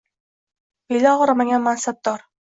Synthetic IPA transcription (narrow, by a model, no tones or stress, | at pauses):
bijlaʁɒɾamaɡʲanmansab̚d̪ɒɾ